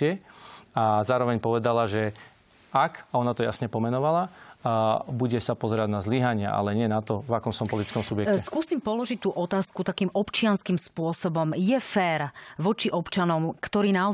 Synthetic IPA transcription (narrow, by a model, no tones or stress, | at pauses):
ɛazaːɾɔʋɛɲpɔʋɛd̪alaʒɛ | akɔnat̪ɔjasɲɛpɔmɛnɔʋala | buɟɛsapɔzɛɾaɟnazliɦaɲɪa̰ʔa̰lɛɲɪɛnat̪ɔvakɔmsɔmpɔlit̪it͡skɔmsubjɛkɛskuːsiːmpɔlɔʒic̚t̪uːʔɔt̪aːskut̪akiːmɔpt͡ʃɪanskiːmspʊɔsɔbɔmjɛfɛːɾʋɔt͡ʃiʔɔpt͡ʃanɔmkt̪ɔɾiːnaɔ